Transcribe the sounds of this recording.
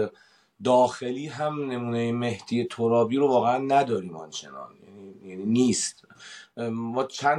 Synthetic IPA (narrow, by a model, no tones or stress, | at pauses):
d̪ɒːxe̞liːɦæmne̞muːnejeme̞hd̪iːjet̪ʰoɾɒːbiːɾovɒːɣeænːæd̪ɒːɾiːmɒ̰nt͡ʃʰe̞̰nɒ̰ːnjænijæniːniːst̪ | mɒːt͡ʃʰæ